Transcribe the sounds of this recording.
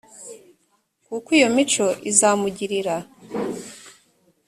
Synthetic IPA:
kukwijo̞mit͡ʃo̞ʔizaːmuɟiɾiɾa

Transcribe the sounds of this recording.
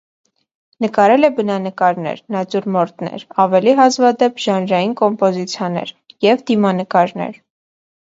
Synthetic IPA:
nəkɑɾɛlɛbənɑnəkɑɾnɛ̰ɾnɑt͡suɾmɔɾt̪nɛ̰ɾɑvɛliɦɑzvɑd̪ɛpʰʒ̥ɑnɾɑjinkɔmpɔzit͡sʰjɑnɛ̰ɾ | jɛvd̪imɑnəkɑɾnɛ̰ɾ

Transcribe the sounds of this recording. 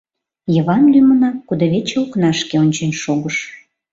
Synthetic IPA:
jəβɑnlymənɑkud̪əβet͡ɕeuknɑʃkeonʲt͡ɕenʲʃoɣəʃ

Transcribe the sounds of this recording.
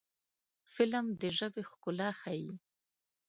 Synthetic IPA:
fɪləmd̪əʒəbexkʊlɑxaji

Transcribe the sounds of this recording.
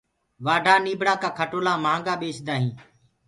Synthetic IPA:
ʋaːɖʱaːniːbʱɽaːkaːkʰəʈoːlaːmãːŋɡaːɓeːsd̪aːɦĩː

